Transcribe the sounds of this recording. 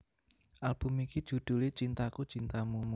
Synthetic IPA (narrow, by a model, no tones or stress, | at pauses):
ʔalb̥ṳmikid̥ʒ̥ṳd̪̥ʊ̤let͡ʃint̪akut͡ʃint̪amumu